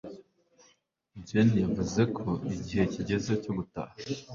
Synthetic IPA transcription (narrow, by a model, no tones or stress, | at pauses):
ɟenijavuze̞kʰo̞iɟihe̞ciɟe̞zecoɡuta̰ha